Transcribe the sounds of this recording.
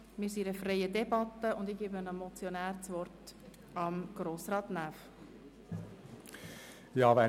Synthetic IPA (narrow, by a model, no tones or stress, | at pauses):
mɪːɾsiɾəfrɛɪədɛbɑt̪ːəʊndɪɡiːbənəmɔt͡sjɔnæːɾt͡sʋɔrt | ɑmɡ̥ɾoːsrɑːtnæːf | jɑːʋɛ